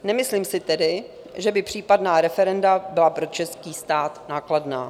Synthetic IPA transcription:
nɛmɪsliːmsɪt̪ɛdɪ | ʒɛbɪpr̝̥iːpadnaːɾɛfɛɾɛndabɪlapɾo̞t͡ʃɛskiːst̪aːt̪naːkladna̰ː

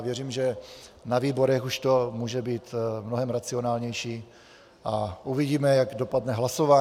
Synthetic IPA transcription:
vjɛriːmʒɛnaviːbo̞ɾɛxuʃt̪o̞muːʒɛbiːt̪mnoɦɛmɾat͡sio̞naːlɲɛjʃiː | ʔaʔuvɪɟiːmɛjaɡdo̞padnɛɦlasovaː

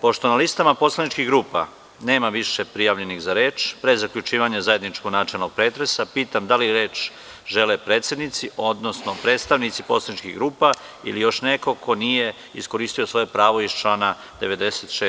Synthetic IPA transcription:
po̞ʃt̪o̞nalist̪amapo̞slˠanit͡ʃkiɣɡɾuːpa | ne̞ːmaʋiʃepɾijaʋʎe̞niɣzaɾe̞ːt͡ʃpɾezakʎut͡ʃiːʋaɲazaje̞d̪nit͡ʃkoɡnaːt͡ʃelnoɡ̥̚pɾet̪ɾe̞sapiːt̪amd̪aliɾe̞ːt͡ʃ | ʒe̞lepɾeːt̪se̞d̪nit̪siʔo̞d̪nosno̞pɾe̞ːt̪st̪aʋnit̪sipo̞slˠanit͡ʃkḭɣɡɾuːpa | ḭlijo̞ʃneko̞ko̞nije̞ | isko̞ɾiːst̪io̞sʋo̞jepɾaːʋo̞ist͡ʃlaːna | d̪e̞ʋe̞d̪eset̪ʃe

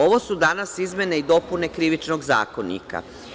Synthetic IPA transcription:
o̞ʋo̞sud̪anasizmʲe̞neid̪o̞pune̞kɾiʋit͡ʃnoɡza̰ːkonḭka̰

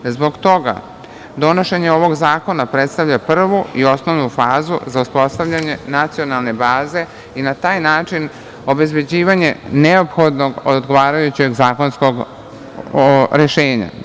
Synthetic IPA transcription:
zbo̞ɡt̪o̞ɡa̰ | d̪o̞no̞ʃe̞ɲe̞o̞ʋo̞ɡzaːko̞napɾet̪st̪aʋʎapr̩ʋuio̞sno̞ʋnufaːzṵzauspo̞st̪aʋʎaɲe̞nat̪sio̞nalˠne̞baːze̞ | inat̪aːjnaːt͡ʂin | o̞be̞zbe̞d͡ʑiːʋaɲe̞neo̞pxo̞d̪no̞ɡod̪ɡo̞ʋaːɾajut͡ɕe̞ɡzaːko̞nsko̞ɡ | ɾeʃeːɲa̰

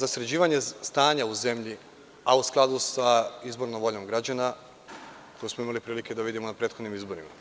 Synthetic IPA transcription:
zasɾed͡ʑiːʋaɲe̞st̪aːɲauze̞mʎi | ausklˠad̪usaizbo̞ɾnomʋo̞ʎo̞mɡɾad͡ʑana | kojesmo̞imalipɾiːlike̞d̪aʋid̪imonapɾet̪xod̪nimizbo̞ɾima̰

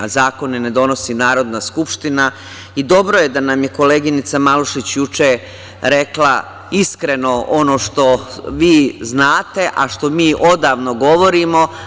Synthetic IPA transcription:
zaːko̞nine̞d̪o̞no̞sinaːɾo̞d̪naskupʃt̪ina | id̪o̞bɾojed̪anamje̞ko̞leɡinit̪samaluʃit͡ɕjut͡ʃe | ɾe̞kla̰ | iskɾe̞no̞ʔo̞no̞ːʃt̪o̞ʋiːznaːt̪e̞ʔaʃt̪o̞miːʔo̞d̪aːʋno̞ɡo̞ʋo̞ɾimo̞

